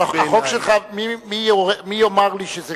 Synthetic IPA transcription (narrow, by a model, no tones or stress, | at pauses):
aaχokʃelχamimijoemijomaʁliʃeze